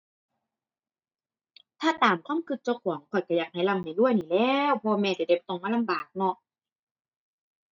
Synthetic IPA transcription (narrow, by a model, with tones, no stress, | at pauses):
t̪ʰaː˧˥˩t̪aː˨˩mkʰwaː˧˥˨mkʰɯ˧˩t̪̚t͡ɕɔ˧kʰu˨˦ŋkʰɔː˨˩jka˧˩jaː˨˩k̚ha˧˦jla˧˩mha˨˩jdu˥˩əjniː˨˩˨lɛː˧wpʰɔː˧mɛː˧t͡ɕa˨˧˩de˧˩p̚t̪o˧˩ŋmaː˧˥˨la˧mbaː˨˩k̚nɔ˧